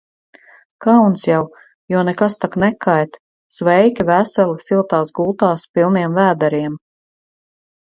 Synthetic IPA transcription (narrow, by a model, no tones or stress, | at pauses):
kawnsjaw | juɔnɛkast̪aknɛkʰajt̪ | svɛjkʲivæsɛlisilˠt̪aːsɡulˠt̪aːspilˠniɛmvæːd̪aɾiɛm